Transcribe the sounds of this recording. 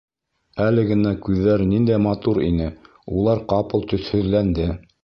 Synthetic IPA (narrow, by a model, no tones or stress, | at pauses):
ælɘɡɘ̆nækʉðːæɾnind̪æjmɑt̪uɾḭnɘ | ulˠɑɾqɑpɤlˠt̪ɵ̆θhɵ̆ðlænd̪ɘ